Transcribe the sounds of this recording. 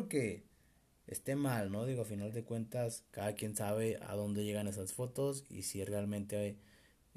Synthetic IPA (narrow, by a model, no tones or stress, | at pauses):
oke̞ | ḛst̪e̞malno̞ðiɣo̞afinald̪e̞kwe̞nt̪askaðakje̞nsaβe̞ʔa̰ðo̞nd̪e̞ʝe̞ɣane̞sasfo̞t̪o̞sḭsirealmẽ̞nt̪e